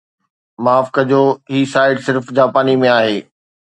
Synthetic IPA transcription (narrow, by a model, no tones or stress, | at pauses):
maːfkəd͡ʑoːɦiːsaːɪɖsɪɾfd͡ʑaːpaːnimẽaːɦeː